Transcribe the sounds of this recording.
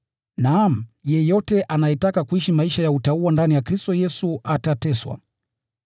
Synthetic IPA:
nam̩jɛjɔtɛʔanajɛtakakuiʃimaiʃajautauandanijakɾistɔjɛsuatatɛswa̰

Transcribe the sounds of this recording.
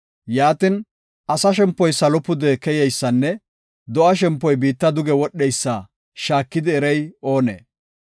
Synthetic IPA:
jaːt̪ɪn | ʔɐsɐʃɛmpːɔjsɐlɔpːʊd̪ɛkɛjɛjsːɐnːɛ | d̪ɔʔɐʃɛmpːɔjbiːt̪ːɐd̪ʊɡɛwɔɗːɛjsːɐ | ʃaːkːɪd̪ɪːɾɛjo̞ːnḛː

